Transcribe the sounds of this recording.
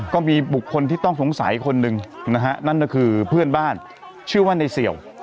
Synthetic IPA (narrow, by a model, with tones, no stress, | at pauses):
kɔː˥˩miː˧bu˨˩kʰːo˧nt̪ʰiː˥˩t̪ɔ˥˩ŋsu˨˩˦ŋsa̰˨˩˦jkʰo˧nːɯ˧ŋna˦˥kʰa˦˥na˥˩nkɔː˥˩kʰɯː˧pʰɯ˥˩ənbaː˥˩n | t͡ɕʰɯ˥˩waː˥˩na˧jsi˨˩əw